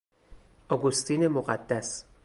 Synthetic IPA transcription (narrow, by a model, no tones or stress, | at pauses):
ʔɒɡost̪ʰiːne̞moɣæd̪ːæs